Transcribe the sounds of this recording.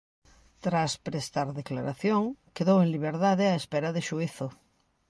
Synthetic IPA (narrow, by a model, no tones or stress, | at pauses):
t̪ɾaspɾest̪aɾðeklaɾaθjoŋkeðoweŋliβ̞eɾðaðeaespeɾaðeʃuiθo